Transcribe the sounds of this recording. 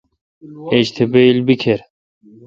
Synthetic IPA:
eɕt̪ʰebeilbikʰeɾ

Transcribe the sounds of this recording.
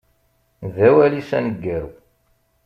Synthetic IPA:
ðæwælisænəɡːæɾu

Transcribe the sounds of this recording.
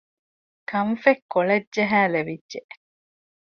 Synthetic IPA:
kʰɐɱfekːoɭɐdʒɐɦæːleʋidʒeʔ

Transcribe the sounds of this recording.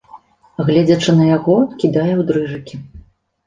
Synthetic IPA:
ɣlʲɛd͡zʲɐt͡ʂɨnɐjaɣɔkʲid̪ajɛwd̪ɾɨʐɨkʲi

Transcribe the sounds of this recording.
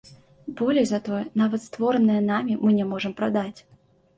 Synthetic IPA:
bɔlʲɛjzɐt̪ɔjɛnavɐt̪st̪vɔɾənɨjɐnamʲimɨnʲɛmɔʐɨmpɾad̪at͡sʲ

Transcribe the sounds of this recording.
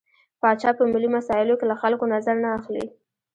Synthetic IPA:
pɑt͡ʃɑpəmilimasɑɪlokelaxalkonazaɾnaːxlḭ

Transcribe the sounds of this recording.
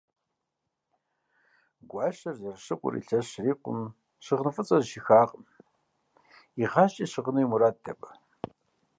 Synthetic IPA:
ɡʷɑːɕɐrɐrɕɨqʷʼʊ̰rḭɬɐɕriːqʷʊ̰m | ɕɨʁnɨfʼɨt͡sʼɐzʃixaːqʼm | iʁɑːɕt͡ʃʼiːɕɨʁənujmuɾaːdʰɐpʼɐ

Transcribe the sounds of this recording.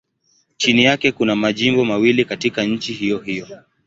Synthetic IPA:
t͡ʃinijakɛkunamaʄimbɔmawilikatikaɲ̩t͡ʃihijɔhijɔ

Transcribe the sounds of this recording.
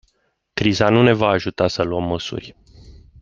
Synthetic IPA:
kɾizanune̞vaːʒut̪asəluəmːəsṵrʲ

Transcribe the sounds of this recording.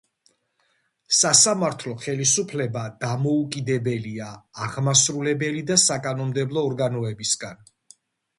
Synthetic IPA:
sasamaɾt̪ʰlˠɔχɛlisupʰlɛbad̪̥amɔukʼid̪ɛbɛliaːʁmasɾulɛbɛlid̪asakʼanɔmd̪ɛblˠɔːɾɡanɔɛbisɡan

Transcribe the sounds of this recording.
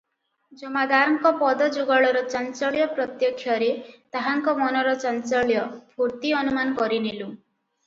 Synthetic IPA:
d͡ʒɔmad̪aɾɔŋkɔpɔd̪ɔd͡ʒuɡɔɭɔɾɔt͡ʃant͡ʃɔɭjɔpɾɔt̪jɔkʰːjɔɾet̪aɦaŋkɔmɔnɔɾɔt͡ʃant͡ʃɔɭjɔbʱuɾt̪iɔnumanɔkɔɾinilu

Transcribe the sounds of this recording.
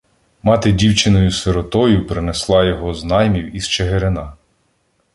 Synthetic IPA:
mɑt̪ɪdʲiwt͡ʃɪnɔjʊseɾɔt̪ɔjʊpɾɪneslˠɑjɔɦɔznɑjmʲiwizt͡ʃeɦeɾenɑ

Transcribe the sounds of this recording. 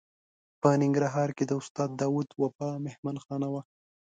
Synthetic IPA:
pənɪŋɡɾaɦɑɾked̪əʊst̪ɑd̪ːɑwud̪wafɑmɪhmanxɑnawa

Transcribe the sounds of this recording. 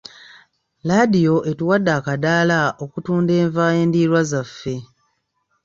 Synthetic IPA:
ladijo̞ʔe̞tuwadːaːkadaːlaʔo̞kutuːnde̞ːɱvaːje̞ːndiːɾwazafːe̞

